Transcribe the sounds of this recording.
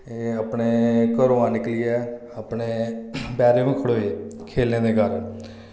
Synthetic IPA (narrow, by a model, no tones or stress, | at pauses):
eːəpɳeːkəɾoːãːnɪklijɛː | əpɳeːbɛːɾẽːʋĩːkʰəɽoːekʰeːlneːd̪eːkəɾ